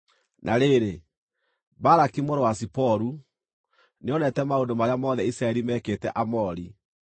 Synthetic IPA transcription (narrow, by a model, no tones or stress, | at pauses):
nʔaɾeɾe | baɾakimoɾowasipɔɾu | neɔnɛtɛmaodomaɾeamɔðɛisɾaɛɾimɛːkeːtɛʔamɔɾi